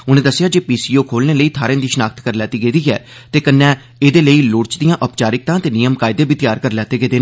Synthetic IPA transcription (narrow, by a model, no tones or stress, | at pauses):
ʊnẽːd̪əsːɪjaːd͡ʒeːpiːsiːoːkʰoːlneːləiːt̪ʰaːɾẽːd̪iːʃənaːk̚t̪kəɾlɛːt̪iːɡeːd̪iːɛ̰ː | t̪eːkənːɛ̃ː | eːd̪eːləiːlʊːɽt͡ʃd̪ɪijãːʔəpt͡ʃaːɾɪk̚t̪ãːt̪eːnɪjəmkaːɪd̪eːbiːt̪ɪjaːɾkəɾlɛːt̪eːɡeːd̪eː